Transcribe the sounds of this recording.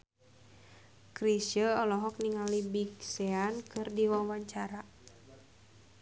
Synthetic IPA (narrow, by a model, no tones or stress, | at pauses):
kɾiʃəɔlɔɦɔk̚niŋalibiksɛankɨrdiwawaɲt͡ʃaɾa